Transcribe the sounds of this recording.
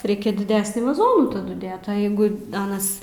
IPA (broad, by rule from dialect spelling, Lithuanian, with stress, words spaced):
ˈrʲɛɪkʲɛ dʲɪˈdʲæːsʲnʲiː ʋɐˈzoːnuː tɐˈdʊ ˈdʲeːt oː jɛɪɡʊ ˈɑːnɐs